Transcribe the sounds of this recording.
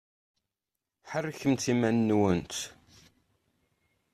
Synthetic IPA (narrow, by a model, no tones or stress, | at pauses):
ħərːçəmt̪imænːwənt̪